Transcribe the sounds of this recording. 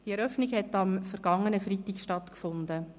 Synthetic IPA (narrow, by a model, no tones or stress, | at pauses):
d̥iɛɾœfniɡhɛtɑmfəɾɡ̥ɑŋːənəfritikʃtɑtkfʊnd̪ə